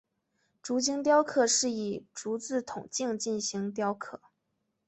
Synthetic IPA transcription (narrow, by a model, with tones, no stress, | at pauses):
ʈ͡ʂu˧˥t͡ɕi˥ŋt̪̬jɑ˥ʊkʰɤ˥˩ʂɻ̩˥˩i˨˩ʈ͡ʂu˧˥t͡sɹ̩˥˩t̪ʰʊ˨˩ŋt͡ɕi˥˧ŋt͡ɕi˥˩nɕi˧˥ŋt̪̬jɑ˥ʊkʰɤ˥˩